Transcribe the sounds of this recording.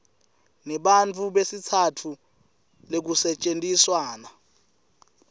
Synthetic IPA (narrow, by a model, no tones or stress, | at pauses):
nɛɓant͡fʰuɓesitʰatʰu | lek̬usɛt͡ʃʼentʼiswaːna